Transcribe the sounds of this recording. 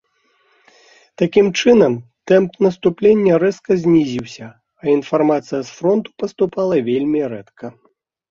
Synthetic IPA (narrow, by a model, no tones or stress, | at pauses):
t̪akʲimt͡ʂɨnɐmt̪ɛmpnɐst̪uplʲenʲːɐɾɛskɐzʲnʲizʲiwsʲɐ | ɐinfarmat̪sɨjɐsfɾɔnt̪u̥pɐst̪upalˠɐvʲelʲmʲiɾɛt̪kʰɐ